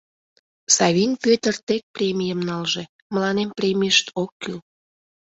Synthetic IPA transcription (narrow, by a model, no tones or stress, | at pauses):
sɑβʲinpøt̪ərt̪ek̚prʲemʲijəmnɑlʒe̽ | məlɑnemprʲemʲijəʃt̪ʰokːyl